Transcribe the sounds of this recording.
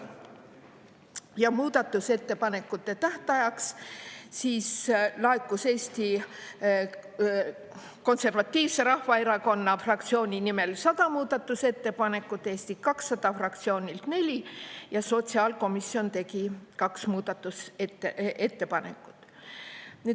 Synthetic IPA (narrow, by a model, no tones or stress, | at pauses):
jɑmuːd̪̥ɑt̪ːˑuse̞t̪ːe̞pɑne̞kːˑut̪ːˑe̞t̪æht̪ɑjɑkssiːslɑekːˑuse̞ːst̪i | ko̞nse̞rvɑt̪ʲːˑiːvse̞ɾɑhvɑeɾɑko̞nːɑfrɑkt̪sio̞ːnʲinime̞lsɑd̪̥ɑmuːd̪̥ɑt̪ːˑuse̞t̪ːe̞pɑne̞kːˑut̪ːˑeːst̪ikɑksːɑd̪̥ɑfrɑkt̪sio̞ːnʲilt̪ne̞lʲijɑso̞t̪siɑlko̞misːio̞nt̪e̞kikɑksmuːd̪̥ɑt̪ːˑuset̪ːeʔe̞t̪ːe̞pɑne̞̰kːˑu̥t̪ːˑ | ni